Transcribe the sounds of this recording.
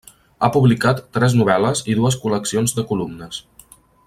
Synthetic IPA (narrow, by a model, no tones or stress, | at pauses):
apuβlikat̪ːɾɛznuβ̞ɛləziðuəskuləksionzðəkulumnəs